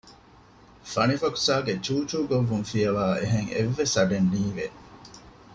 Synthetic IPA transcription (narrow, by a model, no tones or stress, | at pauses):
fɐnifɐku̥saːɡet͡ʃuːt͡ʃuːɡoʋːuŋfijɐʋaːeɦeŋḛʋːesɐɖenniːʋe